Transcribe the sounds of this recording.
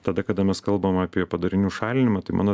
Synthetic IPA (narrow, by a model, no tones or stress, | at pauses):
t̪ɐd̪ɐkɐd̪ɐmʲɛskɐlˠbɐmɑːpʲiɛpɐd̪ɐɾʲɪnʲuːʃɑːlʲɪnʲɪmɑːt̪ɐɪmɑːnoː